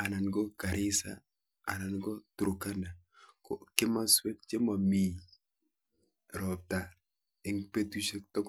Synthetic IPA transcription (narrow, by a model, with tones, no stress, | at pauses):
a˨na˨nɡɔ˦ka˨ɾɪ˦sa̰˨ | a̰˨na˨nɡɔ˦tu˨ɾo˨ka˦na˨ | kɔ˨kɪ˦ma˦swɛ˦k̚t͡ʃe˦ma˨mi˦˨ | ɾɔ˨p̚ta˨ | ɪ˦ŋpe˦tu˦ʃɛ˦k̚tɔ˦k